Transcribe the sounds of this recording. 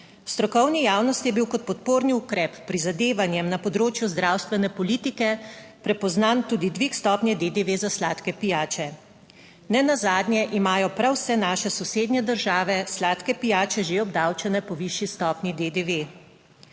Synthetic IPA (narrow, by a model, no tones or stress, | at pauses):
st̪ɾɔkɔwnijaːwnɔst̪jɛbiwkɔt̪̚pɔt̪poːɾniukɾɛːpːɾizad̪eːʋanjɛmnapɔd̪ɾoːt͡ʃjuzd̪ɾawst̪ʋɛnɛpɔliːt̪ikɛpɾɛpɔznant̪uːd̪id̪ʋikst̪ɔːpnjɛd̪ed̪eʋezaslaːt̪kɛpijaːt͡ʃɛ | nɛnazaːd̪nʲjɛʔimaːjɔpɾawsɛnaːʃɛsɔseːd̪nʲɛd̪əɾʒaːʋɛslaːt̪kɛpijaːt͡ʃɛʒeɔbd̪aːwt͡ʃɛnɛpɔʋiʃjist̪ɔːpnʲid̪ed̪eʋe